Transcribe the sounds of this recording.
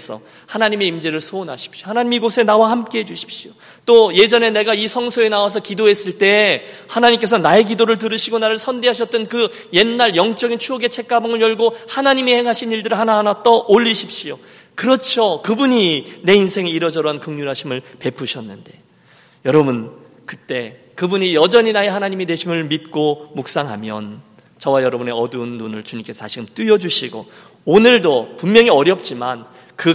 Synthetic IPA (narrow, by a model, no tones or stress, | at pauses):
sʰʌ̰ | hanaɲime̞imd͡ʑeɾɯɭsʰona̰ɕʰi̥p̚ɕiohanaɲimiɡosʰe̞nawahamk͈eɦed͡ʑuɕʰi̥p̚ɕ͈io | t͈oje̞d͡ʑʌne̞ne̞ɡaisʰʌŋsʰoe̞nawas̬ʰʌkidoɦe̞s͈ɯɭt͈e̞ | hanaɲimk͈e̞s̬ʰʌnae̞k̬idoɾɯɭtɯɾɯɕʰiɡonaɾɯɭsʰʌndeɦaɕ̬ʰʌt͈̚ʌnkɯ | je̞nːaɾjʌŋt͡ɕ͈ʌɡint͡ɕʰuʌɡe̞t͡ɕʰe̞k͈̚abʌŋɯɭjʌɭɡohanaɲimeheŋɦaɕʰiniɭdɯɾɯɭhanaɦanat͈ʌʔoʎːiɕʰip̚ɕ͈io | kɯɾʌt͡ɕʰokɯbuɲine̞insʰe̞ŋeiɾʌd͡ʑʌɾoɦankɯŋɲuɾɦaɕʰimɯɭpe̞pʰuɕʰʌnːɯnde̞ | jʌɾʌbun | kɯt͈e̞ | kɯbuɲijʌd͡ʑʌɲinaehanaɲimidwe̞ɕʰimɯɭmit̚k͈omuk̚s͈aŋɦa̰mjʌ̰n | t͡ɕʌwajʌɾʌbune̞ʌdunːunɯɭt͡ɕuɲimke̞sʰʌtaɕʰiɡɯnt͈iʌd͡ʑuɕʰiɡo̰ | onɯɭdopummjʌŋiʌɾjʌp̚t͡ɕ͈iman | kɯ